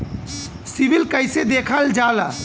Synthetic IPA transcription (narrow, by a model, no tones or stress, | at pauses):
sibilkəɪsed̪ekʰəld͡ʒala